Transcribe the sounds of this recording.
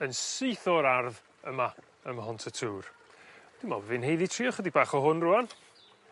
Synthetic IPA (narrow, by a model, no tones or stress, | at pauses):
ənsejθɔɾarð | əma | əmɦɔntʰətʰuːr | d̥ɪmɔ̰vɪnɦejðitʰriːɔχədibaːχɔɦʊnrʊan